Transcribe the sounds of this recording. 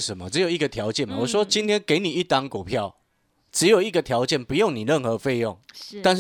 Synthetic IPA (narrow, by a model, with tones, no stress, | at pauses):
ə˨˦mə̰˨˩ʈ͡ʂ̩˧˦jo˨˩ʊi˧˩ɡə˨t̪ʰjɑ˧˦ʊt͡ɕjɛ˥˩˨nma˨˩wɔ˨˩swɔ˦t͡ɕi˦nt̪ʰjɛ˦˥nke˨˧˥ɪni˨˩i˦˥˩t̪a˦ŋku˨˩pʰjɑ˥˨ʊ | ʈ͡ʂɻ̩˧˦jo˨˩ʊi˧˥˩ɡə˨˩t̪ʰjɑ˨˦ʊt͡ɕjɛ˥˨npu˧˦jo˥˨ŋni˨˩ɻə˥˨nxɤ˨˦fe˥˧ɪjɔ˥˨ŋt̪a˥˧nʂ